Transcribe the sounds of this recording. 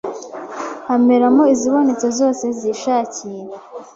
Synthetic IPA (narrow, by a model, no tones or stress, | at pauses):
hameɾamoiziβonit͡sozo̞ːse̞ziːʃaːciːɾa